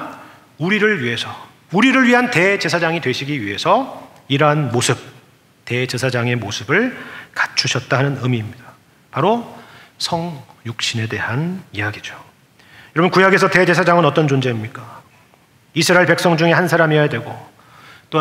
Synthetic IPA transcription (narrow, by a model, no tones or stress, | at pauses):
uɾiɾɯɭɥiɦe̞sʰʌ | uɾiɾɯɭɥiɦante̞d͡ʑe̞sʰad͡ʑaŋidwe̞ɕʰiɡiɥiɦe̞sʰʌ | iɾʌɦanmosʰɯp̚ | te̞d͡ʑe̞sʰad͡ʑaŋe̞mosʰɯbɯɭkḁt͡ɕʰuɕʰʌt̚t͈aɦanɯnɯmiːmɲida | paɾo | sʰʌŋjuk̚ɕ͈ine̞de̞ɦanijaɡid͡ʑo̥ | jʌɾʌbʌnkujaɡe̞sʰʌte̞d͡ʑe̞sʰad͡ʑaŋɯnʌt͈ʌnd͡ʑond͡ʑe̞imɲik͈a | isʰɯɾaeɭpe̞ks͈ʌŋd͡ʑuŋe̞hansʰaɾamiajadwe̞ɡo | t͈oa